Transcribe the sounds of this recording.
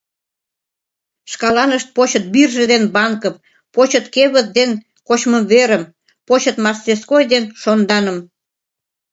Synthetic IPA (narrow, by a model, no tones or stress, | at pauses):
ʃkɑlɑnəʃt̪̚pot͡ɕə̆t̪̚birʒĕd̪enbɑŋkəm | pot͡ɕət̪keβə̆t̪̚d̪en | kot͡ɕməmβeɾəm | pot͡ɕət̪mɑst̪eskojd̪enʃond̪ɑnə̆m